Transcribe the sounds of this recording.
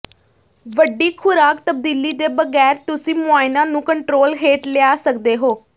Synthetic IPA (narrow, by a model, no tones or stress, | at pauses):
ʋəɖiːkʰʊɾaːk̚t̪əb̚d̪iːliːd̪eːbəɡɛːɾt̪ʊsĩːmʊaːɪnãːnũːkəɳʈɾoːlɦeːʈlɪaːsəkd̪eːɦoː